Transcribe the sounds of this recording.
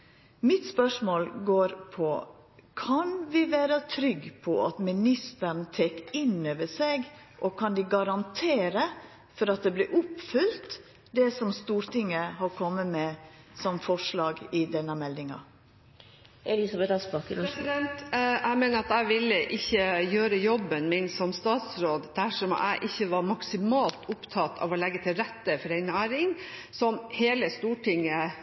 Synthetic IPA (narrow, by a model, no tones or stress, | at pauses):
mɪt̪spœʂmoːlɡoːɾpʰɔ | kʰɑnʋɪʋæːɾət̪ʰɾʏɡpʰɔʔɑ̰t̪mɪnɪst̪əɳt̪ʰeːkɪnøːʋəseːɡ | ʔɔkʰɑnd̪ɪɡɑɾɑnt̪ʰeːɾə | fɔɾɑt̪̚d̪ɛblɪʔʊpfʉlt̪ | d̪ɛsɔmst̪uːɾt̪ɪŋːəhɑɾkʰɔmːəmɛː | sɔmfɔʂlɑːɡɪd̪ɛnːəmɛld̪ɪŋɑ̰ | ɛlɪsɑbɛt̪ɑspɑkəɾsɪd̪ɛnt̪ʔæɪmeːnəɾɑt̪æɪʋɪlːəʔɪçːəjøːɾəjɔbːənmɪnsɔmst̪ɑːt̪sɾoːd̪d̪æʂɔmæ̰ɪʔɪçːəʋɑɾmɑksɪmɑːlt̪ʊpt̪ʰɑt̪ːʰɑ̰ːʋɔlɛɡːət̪ʰɪlɾɛt̪ːəfɔɾæɪnæːɾɪŋsɔmheːləst̪uːʈɪŋːə